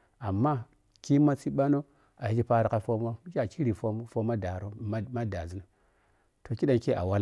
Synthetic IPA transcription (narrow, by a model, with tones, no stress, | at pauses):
a˨mːa˦ | ki˦ma˦t͡si˦ɓa˦no˦ | a˨i˦d͡ʒi˦pa˦ɾa˨ka˦fo˦ma˦d͡ʒa˦˨ki˦ɾi˨fo˦fo˦ma˦da˨ɾo˦ma˦da̰˨zi˦no˨ | to˨ki˦ɗa˨nke˦ʔa̰˨wa˦l